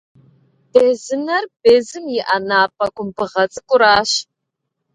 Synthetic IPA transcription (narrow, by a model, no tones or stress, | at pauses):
b̥eːzɨnɐrbeːzɨmjɪʔɐnaːpʼɐkʷʼʊmbɨʁɐt͡sʼɨkʷʼʊɾaːɕ